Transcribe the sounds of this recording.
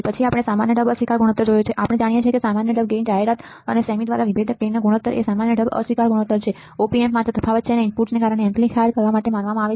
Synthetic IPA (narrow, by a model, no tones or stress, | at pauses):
pət͡ʃʰiapɽ̃esamanjəɖəbəsʋikaɾɡuɽ̃ət̪ːəɾd͡ʒojot͡ʃʰeʔapəɽ̃ed͡ʒaɽ̃ijet͡ʃʰiekesamanjəɖəb̚ɡend͡ʒaɦeɾat̪ | ənesəmiʈd̪ʋaɾaʋibʱed̪ʱək̚ɡenːaɡuɽ̃ət̪ːəɾʔḛsamanjəɖəbə̰sʋikaɾɡuɽ̃ət̪ːəɾt͡ʃʰe | opiemːat̪ɾət̪əfʰaʋət̪t͡ʃʰeneɪmpuʈnekaɾəɽ̃eɛ̃mplixʰaɾkəɾʋamaʈemanʋamãaʋe